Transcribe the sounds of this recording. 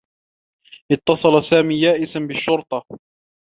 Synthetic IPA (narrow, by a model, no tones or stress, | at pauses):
ʔɪt̪ːɑsˤɑlɑsaːmiːjaːʔɪsanbɪʃːʊɾt̪ˤɑ